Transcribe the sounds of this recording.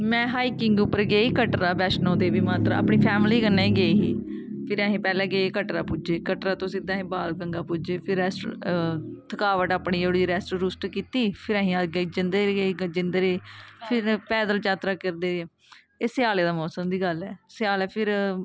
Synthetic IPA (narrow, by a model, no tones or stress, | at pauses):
mɛ̃ːɦaːiːkɪŋɡʊpːəɾɡeːiːkəʈɾaːbɛːʃnõːd̪eːbiːmaːt̪ɾa̰ːəpɳiːpʰɛːmliːkənːaːiːɡeːiḭː | pʰɪɾəɦẽːpɛːlãːɡeːkəʈɾaːpʊd͡ʒeːkəʈɾaːt̪õsĩd̪aːɦẽːbaːlkəŋɡaːpʊd͡ʒeːpʰɪɾɛːsʈ | t̪ʰəkaːʋəʈaːpɳiːd͡ʒoːɽiɾɛːsʈoːɾʊsʈkiːt̪iːpʰɪɾəɦĩːaɡd͡ʒɪnd̪eɡeːd͡ʒɪnd̪ːɾeːpʰɪɾpɛːd̪əlt͡ʃaːt̪ɾaːkəɾd̪eː | eːsɪjaːleːd̪aːmɔːsəmd̪iːɡəlɛːsɪjaːlɛːpʰɪɾ